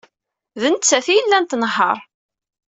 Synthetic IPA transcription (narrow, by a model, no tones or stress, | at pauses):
ðənt͡sːæθijəlːænt̪nɦə̰ɾˤ